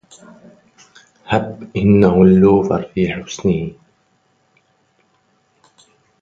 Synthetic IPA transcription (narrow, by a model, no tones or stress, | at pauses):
habːʔɪnːahʊlːuːfɑ̰ɾˤfiːħʊsnɪh